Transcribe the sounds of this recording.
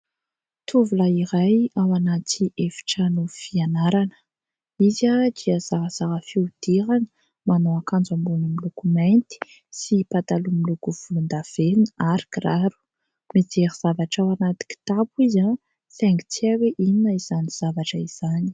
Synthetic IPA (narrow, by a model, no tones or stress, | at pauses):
t̪ʰuvulaiɾajawanat̪ʰiʔefi̥ʈ͡ʂənufianaɾanə̥ | izad̪̥iəzaɦəz̥aɦəfiud̪̥iɾanə̥ | manowakand͡zambunimilukumajnt̪i̥ | sipat̪alumilukuv̥ulund̪av̥enəaɾikiraɾu̥ | mit͡seɾiz̥avaʈ͡ʂawanat̪i̥ki̥t̪apuiza | fɛŋɡi̥t͡siaweʔininəiz̥aniz̥avaʈ͡ʂəiz̥ani̥